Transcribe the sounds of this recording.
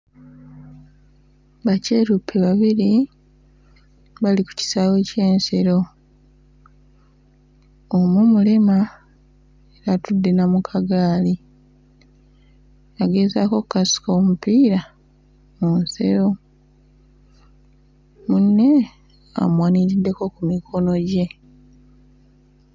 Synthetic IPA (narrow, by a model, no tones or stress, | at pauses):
βaceɾupʰːe̞βaβiɾi | βaliku̥ci̥sawe̞ːce̞ːnseɾo̞ | omumulima | eɾatudːe̞namukʰaɡaːli | aɡe̞zako̞kukasi̥ko̞ːmupiːɾa | munse̞̰ɾo̞ | munːe̞ | a̰mwaːniɾidːe̞ko̞kumikʰo̞no̞ɟe̞